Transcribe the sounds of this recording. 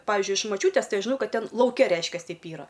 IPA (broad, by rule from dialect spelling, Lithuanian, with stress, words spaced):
ˈpɑːʋʲɪzʲd͡ʒʲʊɪ ɪʃ mɐˈt͡ʃʲuːtʲeːs ˈtɐɪ ɐʃ ʒʲɪˈnɐʊ ˈkɐt ˈtʲɛn lˠɐʊˈkʲɛ ˈrʲɛɪʃʲkʲɛs ˈtʲɛɪp ˈiːrɐ